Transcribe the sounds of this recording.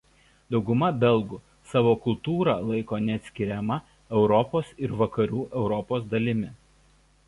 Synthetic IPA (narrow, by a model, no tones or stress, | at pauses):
d̪ɒʊɡʊmɐbʲɛlˠˑɡʊ | sɑːʋoːkʊlˠt̪uːɾɑ̰lˠɐɪkoːnʲɛɐt̪ʲsʲkʲɪɾʲɛmɐ | ɛʊɾɔpoːsɪɾʋɐkɐɾʲuːʔɛʊɾɔpoːs̬d̪ɐlʲɪmʲɪ